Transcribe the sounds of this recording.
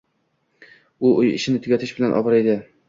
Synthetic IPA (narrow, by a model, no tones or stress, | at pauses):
ʊʔʊjɪ̰ʃɪnɪt̪ʰʊɡʲat̪ʰɪʃbɪlanʔɒ̰bɑɾed̪ɪ